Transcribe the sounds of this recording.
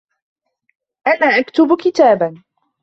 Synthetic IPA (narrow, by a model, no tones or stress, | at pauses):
ʔanaːʔakt̪ʊbkɪt̪aːban